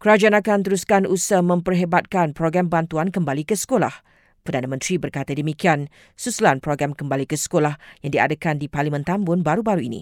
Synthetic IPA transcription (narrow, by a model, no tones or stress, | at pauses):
kəɾad͡ʒaanakant̪əɾuskanusahmə̃mpərɦebat̪̚kanpɾoɡɾambant̪uankəmbalikəsə̥kola̰h | pərdanə̃mə̃nt̪ɾibərkat̪ədəmikian | susulanpɾoɡɾamkəmbalikəsə̥kolahjãŋdia̰dəkandiparlimə̃nt̪ambʊnbaɾubaɾuinḭ̃